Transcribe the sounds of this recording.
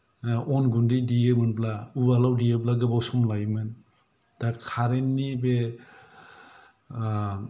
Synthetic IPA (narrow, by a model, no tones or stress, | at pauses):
ɔnɡundidiemɯnplaubalawdieb̬laɡɯbawsɔmlajmɯn | d̥akʰaɾenːibe